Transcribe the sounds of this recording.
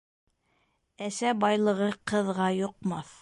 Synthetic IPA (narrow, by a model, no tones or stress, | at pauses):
æsæbɑjlˠɤ̆ʁɤqɤ̆ðʁɑjŏq̚mɑθ